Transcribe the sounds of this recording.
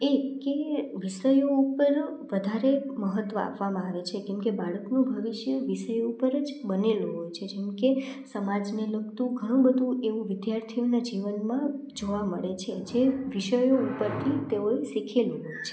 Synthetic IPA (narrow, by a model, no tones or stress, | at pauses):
ekeʋiʃəjoupəɾʋəd̪ʱaɾeməɦət̪ʋəa̰pʋamãaʋet͡ʃʰekɛmkebaɭəknũbʱəʋiʃjəʋiʃəjoupəɾəd͡ʒbəneluɦojt͡ʃʰed͡ʒɛmkesəmad͡ʒneləkt̪ũɡʱəɽ̃ũbəd̪ʱũʔeʋũʋɪd̪jaɾt̪ʰijonad͡ʒiʋənmã | d͡ʒoʋaməɭet͡ʃʰed͡ʒeʋiʃəjoupəɾt̪ʰit̪eoesikʰeluɦojt͡ʃʰe̥